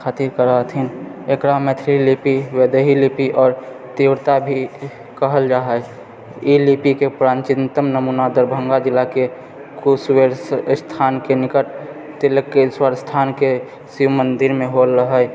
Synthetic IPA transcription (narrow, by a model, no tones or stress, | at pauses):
kʰaːt̪iɾkəɾat̪ʰinekɾamɛt̪ʰɾilipiwed̪əɦilipiʔɔːɾ | t̪iwɾt̪abʱi | kəɦəld͡ʒaːɦəj | ilipikepɾãːnt͡ʃɪnt̪əmnəmunad̪əɾbʱə̃ŋɡad͡ʒɪlake | kusweɾst̪ʰaːnkenɪkəʈ | t̪eləkːeswaɾst̪ʰaːnke | simənd̪iɾmẽɦolːəɦə